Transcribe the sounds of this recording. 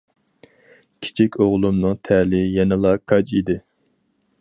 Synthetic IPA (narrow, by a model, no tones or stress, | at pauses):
kʲʰi̥t͡ʃʰikʲʰoʁlˠumnɨŋt̪ʰɛlɪjɛnɨlˠɑkʰɑd͡ʒid̪ɪ